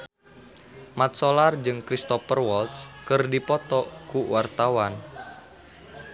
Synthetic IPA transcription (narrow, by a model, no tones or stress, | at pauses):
mat̪̚solard͡ʒɨŋkɾist̪ɔfərwɔlt̪skɨrdipɔt̪ɔkuwart̪awan